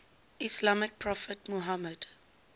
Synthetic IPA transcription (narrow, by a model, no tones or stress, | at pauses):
islamɪk̚pʰɹɔfətmuɦaməd̥